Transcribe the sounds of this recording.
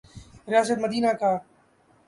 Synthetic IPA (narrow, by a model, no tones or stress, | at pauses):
ɾɪjaːs̬ət̪məd̪iːnaːkaː